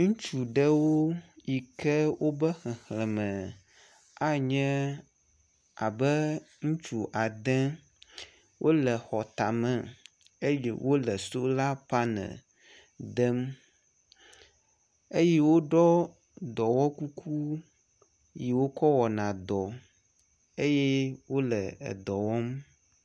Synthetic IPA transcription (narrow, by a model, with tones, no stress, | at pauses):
ŋũ˦t͡ʃu˨ɖɛ˦wo˦ji˨kɛ˦wʔo˦bə˦xɛ̃˨xlɛ˨mə̃˨ | a˦ɲɛ̃˦ | a˨bɛ˦ | ŋũ˦t͡ʃu˨ʔa˨d̪ɛ̃˦ | wʔo˦lɛ˨xɔ˨t̪a˨mɛ̃˨ | e˦jɛ̰˦wʔo˦lə˨so˦la˦pa˦nə̰̃˨ | d̪ə˦m | e˦je˦wo˦ɖɔ˦ | d̪ɔ˨wɔ˦ku˦kʰu˦ | ji˨wo˦kɔ˦wɔ˨nã˨d̪ɔ˨ | e˦je˦wo˦lə˨ə̰˨d̪ɔ˨wɔ˦m